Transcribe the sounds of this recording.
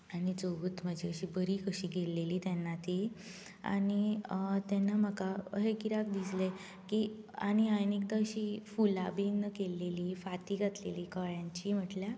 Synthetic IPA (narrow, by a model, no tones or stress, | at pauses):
añid͡zoʋuːt̪m̤əd͡ʑʱeəɕiːbəɾiːkəɕiːɡeleliːt̪jɛnːat̪i | a̰ɽ̃it̪ɛnːam̤əkaəɦekiɾak̚d̪isle | kia̰ɽ̃iajnik̚t̪aəɕiːfulabenəkeleliːfat̪iːɡʱat̪leliːkəɭjãɲt͡ɕiːm̤əʈlja